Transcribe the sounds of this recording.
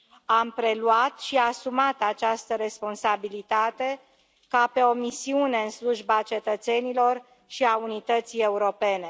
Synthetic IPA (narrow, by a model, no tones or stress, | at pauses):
ampɾe̞luat̪ʃiasumat̪at͡ʃast̪əɾe̞spo̞nsabilit̪at̪e̞ | kape̞o̞misiune̞ɨnsluʒbat͡ʃe̞t̪ət̪se̞nilo̞r | ʃiaunit̪ət̪sije̞uɾo̞pe̞ne̞